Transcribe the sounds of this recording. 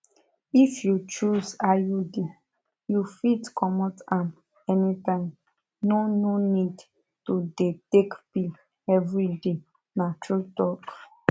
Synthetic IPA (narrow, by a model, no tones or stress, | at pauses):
ifjut͡ʃuzajude | jufitkʰɔmɔtãm | ɛnitãɪ̃m | nononid | todetekpil | ɛvɹide | natɹutɔk